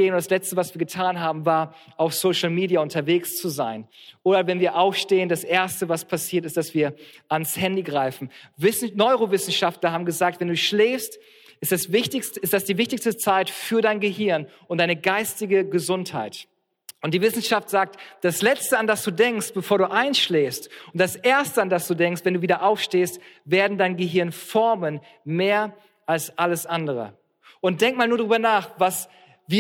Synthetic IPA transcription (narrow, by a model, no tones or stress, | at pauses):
eːnʊntd̥aslɛt͡stəvasv̥iːɐɡətʰaːnɦaːbm̩vaːɐ | ʔaʊfsoʊʃl̩miːdiaʊntʰɐveːkst͡suzaɪnʔoːɾɐvɛnviːɐʔaʊfʃteːəndasʔeːɐstəvaspʰasiːɐtɪstd̥asv̥iːɐʔanshɛndiɡʁaɪfn̩vɪs̩nɔʏʁovɪsn̩ʃaftlɐhaːbm̩ɡəzaːk̚tv̥ɛnduːʃleːfst | ʔɪstasvɪçtɪçstəɪstd̥asd̥iːvɪçtɪçstət͡saɪtfyːɐdaɪnɡəɦɪɐnʔʊntd̥aɪnəɡaɪstɪɡəɡəzʊntha̰ɪt | ʔʊnt̚d̥iːvɪsn̩ʃaftz̥aːk̚td̥aslɛt͡stəandasd̥uːdɛŋkst̚b̥əfoːɐɾuːʔaɪnsʃleːfstʊnt̚d̥asʔeːɐstəandasd̥uːdɛŋkstv̥ɛnduːviːdɐʔaʊfʃteːstveːɐdn̩daɪnɡəɦɪɐnfɔɐmən | meːɐ | ʔalsʔaləsʔandəʁə̰ | ʔʊnt̚d̥ɛŋk̚maːlnuɐɾʁyːbɐnaːχvas | viː